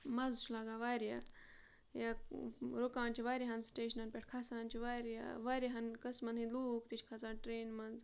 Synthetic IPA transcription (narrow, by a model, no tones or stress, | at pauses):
mɐzt͡ʃʰulaːɡaːʋaːɾja̰ | jaɾokaːnt͡ʃʰiʋaːɾʲaɦɐnsʈeːʃɐnɐnpʲeʈ̚ʰkʰasaːnt͡ʃʰiʋaːɾja̰ʋaːɾʲeɦɐnkɐsmɐniluːkt̪it͡ʃʰkʰasaːnʈɾeːnmɐnz